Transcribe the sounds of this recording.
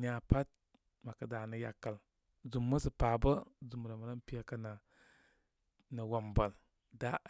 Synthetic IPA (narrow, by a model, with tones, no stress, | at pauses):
ni˦a˨pa˦t̚ | ma˨kə˨da˨nə˨ja̰˨kːə˨l | zu˨mːə˦sə˨pa˨bə˦zu˨m˨ɾa˨ma˨ɾa˦npi˦a˦kə˦na˨ | nə˨wa˨mbə˨l | da˦